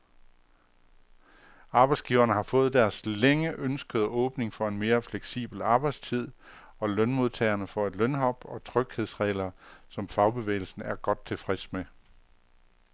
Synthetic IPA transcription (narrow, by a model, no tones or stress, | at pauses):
ɑ̈ːb̥ɑ̈ɪsɡ̥ḭːʊɐnəhɑ̈fɔ̽ːð̞̩ˠd̥æɐsleŋəʔønsɡ̥əð̞̩ˠɔ̽ːb̥ne̝ŋfɒ̽e̝nme̝ːɐfleɡ̥sḭːb̥l̩ɑ̈ːb̥ɑ̈ɪd̥st͡sʰið̞̰ˠ | ɒ̽lœnmo̝ð̞ˠt͡sʰɛ̰ːɐnəfɒ̽e̝d̥lœnɦɒ̽b̥ɒ̽t͡sʰʁœɡ̥he̝ð̞̰ˠsʁɛ̰ːlɐsɒ̽mfɑ̈ʊb̥e̝ʋḛːɪl̩sn̩æɐɡ̥ɒ̽d̥̚t͡sʰe̝lfʁɛsme